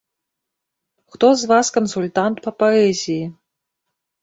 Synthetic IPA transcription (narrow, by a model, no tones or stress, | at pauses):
xt̪ɔzvaskɐnsulʲt̪ant̪pɐpaɛzʲiji